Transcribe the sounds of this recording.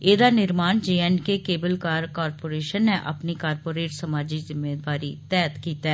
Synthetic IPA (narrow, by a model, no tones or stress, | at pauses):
eːd̪anɪɾmaːnd͡ʒeːɛnkekeːbəlkaːɾkaːɾpoːɾeːʃənːeʔɐ̰pnikaːɾpoːɾeːʈsɐmaːd͡ʒizɪmːeːd̪aːɾit̪ɛːt̪kiːt̪ɛː